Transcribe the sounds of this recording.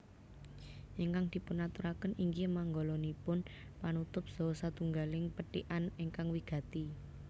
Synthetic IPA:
ʔɪŋkaŋd̪̥i̤pʊnat̪uɾakəniŋkimaŋɡolɔnipʊn | panut̪ʊp̚z̥ɔ̤sat̪uŋɡalɪŋpəʈiʔanɪŋkaŋwiɡ̥ä̤t̪i

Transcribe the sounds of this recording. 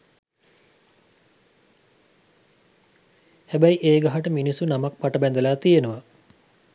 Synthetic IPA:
hæbæjiʔeːɡaɦaʈəminisunamak̚paʈəbɛnd̪əlaːt̪ijenuʋa

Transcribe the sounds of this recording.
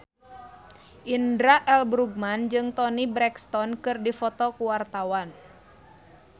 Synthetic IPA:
ʔindɾaʔɛlbɾuɡ̚mand͡ʒɨŋt̪ɔnibɾɛkst̪ɔnkɨrdifɔt̪ɔkuwart̪awan

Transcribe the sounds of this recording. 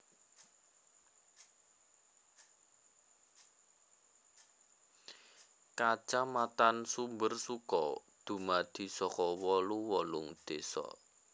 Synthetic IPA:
kat͡ʃamat̪ansumbərsukɔ | d̪̥ṳmad̪̥i̤sɔkɔwɔluwɔlʊŋd̪̥esɔ̰

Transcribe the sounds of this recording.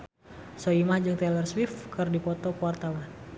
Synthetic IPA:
sɔimahd͡ʒəŋt̪ɛlərswifkɨrdipɔt̪ɔkəwart̪awan

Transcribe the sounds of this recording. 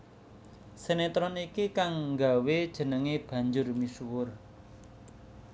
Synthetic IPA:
senet̪ɾɔnikikaŋŋɡawed̥ʒ̥ə̤nəŋeb̥ä̤ɲd͡ʒʊrmisuwʊr

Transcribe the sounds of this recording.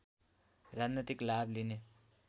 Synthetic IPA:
rad͡znit̪iklabline

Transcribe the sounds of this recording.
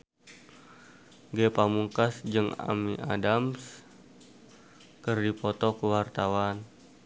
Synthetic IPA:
ɡepamuŋkasd͡ʒɨŋa̰miʔa̰dams | kərdipɔt̪ɔkəwart̪awan

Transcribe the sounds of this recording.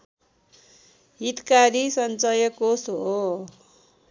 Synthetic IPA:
ɦit̪kaɾisʌnt͡sʌjʌkosɦo

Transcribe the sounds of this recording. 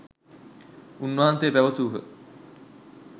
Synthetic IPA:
unːʋɐɦansejːpæʋəsuːɦə̰

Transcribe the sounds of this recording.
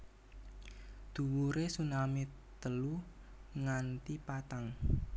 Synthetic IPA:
d̪̥ṳwuɾesunamɪt̪ː | əlu | ŋant̪ipat̪aŋ

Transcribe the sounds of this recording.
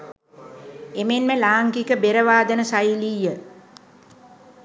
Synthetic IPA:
emenməlaːŋkikəbeɾəʋaːd̪ənəsajiliːjə

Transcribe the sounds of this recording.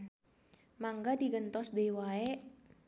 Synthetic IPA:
maŋɡadiɡənt̪ɔsdeiwae

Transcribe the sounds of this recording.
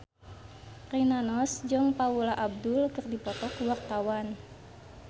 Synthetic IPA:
rinanɔsd͡ʒɔŋpaulaʔab̚dulkɨrdipɔt̪ɔkuwart̪awan

